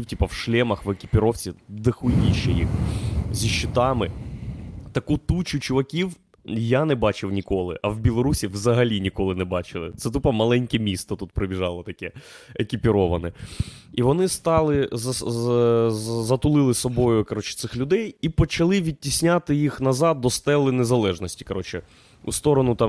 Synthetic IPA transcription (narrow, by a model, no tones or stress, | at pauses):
wtʲipɐwʃlʲɛmɐxʋekʲipʲɪɾɔwt͡sʲid̪ɪxujʲiʃːɛ̰jḭxzʲiʃːɪt̪ɑmɪ | t̪ɐkut̪ut͡ʃʊt͡ʃʊʋɐkʲiw | janɛbɑt͡ʃɪwnʲikɔlˠɪ̰ʔɐwbʲilˠɔɾusʲiʋzɐɦɐlʲinʲikɔlˠɪnɛbɑt͡ʃɪlˠɪ̰t̪sɛt̪̬upɐmɐlˠɛnʲkɛmʲist̪ɐt̪ut̪̚pɾɪbʲiʒɑlˠɐt̪ɐkɛekʲipʲiɾɔʋɐnɛiʋɔnɪst̪ɑlˠɪɐ | zɐt̪ʊlˠɪlˠɪsɔbɔjʊkɐɾɔt͡ʃɪ̥t̪sɪxlʲʊd̪ɛjipɔt͡ʃɐlˠɪʋʲid̚ʲtʲisʲnʲat̪ɪjixnɐzɑd̪̚dːɔst̪ɛlˠɪnezɐlˠɛʒnɔsʲtʲi̥kɐɾɔt͡ʃɪ | ust̪ɔɾɔnʊt̪ɑ